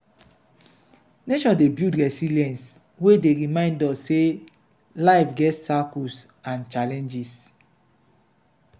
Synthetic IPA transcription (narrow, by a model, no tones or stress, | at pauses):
neʃɔ̃debjudɹɛsiliɛ̃ns | wedeɹimãɪ̃ndɔsse | laɪfɡɛtsakus | ãnt͡ʃalɛ̃nd͡ʒis